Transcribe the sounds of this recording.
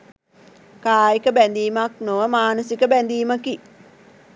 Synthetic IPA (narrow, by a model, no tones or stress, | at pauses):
kaːikəbænd̪iːmaknoʋəmaːnəsikəbænd̪iːməki